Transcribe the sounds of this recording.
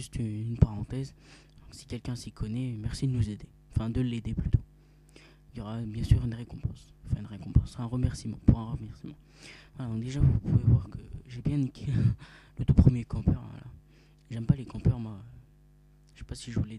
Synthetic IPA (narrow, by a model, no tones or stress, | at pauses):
ʒyst̪yynpaʁɑ̃t̪ɛz | d̪ɔ̃ksi̥kʲɛlkʲɛ̃sikʰɔnɛmɛʁsid̪ənuzed̪e | ɑ̃fɛ̃d̪əlːed̪eplyt̪o | iljɔʁabjɛ̃syʁynʁekɔ̃pɑ̃sfɛ̃ynʁekɔ̃pɑ̃sɛ̃ʁəmɛʁsimɑ̰̃puʁɛ̃ʁəmɛʁsimɑ̃ | vwalad̪ɔ̃ŋk̚d̪eʒavupuvevwaʁkəʒebjɛ̃nikʲʰelət̪upχəmjekɑ̃pœʁa̰la̰ | ʒɛmpalekɑ̃pœʁmwaø | ʃe̥pasiʒəvulɛ